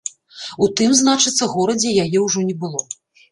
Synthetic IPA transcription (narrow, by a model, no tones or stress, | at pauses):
ut̪ɨmznat͡ʂɨt̪sːɐɣɔɾɐd͡zʲɛjajɛwʐɔnʲɛbɨlˠɔ